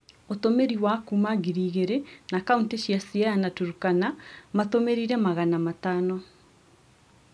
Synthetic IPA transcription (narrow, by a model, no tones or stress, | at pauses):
ot̪omeɾiwakumaɣiɾiːɣeɾenakaunteɕiasiaanatuɾukanamatomeɾiɾɛmaɣanamataːnɔ